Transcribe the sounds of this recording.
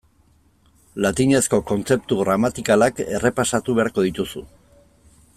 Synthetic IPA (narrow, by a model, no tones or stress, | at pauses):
lat̪iɲe̞sko̞ko̞nt͡se̞p̚t̪uɣɾamat̪ikalake̞̰re̞pasat̪uβe̞aɾko̞ðit̪usṵ